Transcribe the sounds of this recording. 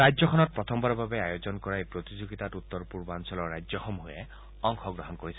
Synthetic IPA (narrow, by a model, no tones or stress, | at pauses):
ajzjɔkʰɔnɔt̚pɹɔt̪ʰɔmbaɹɔbʱabeajozɔnkɔɹajpɹot̪id͡ʒoɡit̪atut̪ːɔɹpuɹbansɔlɔɹːajd͡ʒzjɔxɔmɦoje | ɔŋxʰɔɡɹɔɦɔnkoɹisɛ